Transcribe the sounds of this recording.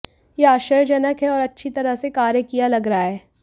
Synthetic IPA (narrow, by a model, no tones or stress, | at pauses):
jeaːʃəjd͡ʒɐnəkɦɛɔːɾɐtːʃʰit̪ɐɾəɦsekaːɾjəkijalɐɡɾɐaɦɛː